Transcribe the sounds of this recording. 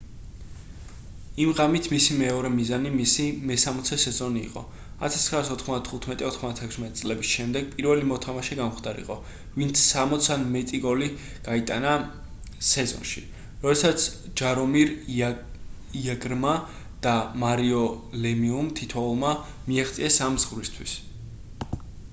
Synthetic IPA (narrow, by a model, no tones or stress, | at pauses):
imʁamit̪ʰmisimɛɔɾɛmizanimisimɛsamɔt̪sʰɛsɛzɔnḭːqʼɔ̰ | a̰t̪ʰḁst̪χɾaːsɔt̪ʰχmɔzd̪at̪ʰχut̪ʰmɛt̪ʼiɔt̪ʰχmɔzd̪at̪ʰɛkʰsmɛt̪ʼit̪sʼlɛbisʃɛmd̪ɛɡ̚pʼiɾvɛlimɔt̪ʰamaʃɛɡamχd̪aɾḭqʼɔ | vint̪sʰsamɔt̪sʰanmɛt̪ʼiɡɔli | ɡ̥ait̪ʼana | sɛzɔ̰nʃḭ | ɾɔd̪ɛsat̪sʰd͡ʒaɾɔmiɾ | iaɡɾma | d̪̥amaɾiɔlɛmiumt̪ʰit̪ʰɔulˠma | miaχt̪sʼiɛsamzʁvɾist̪ʰwis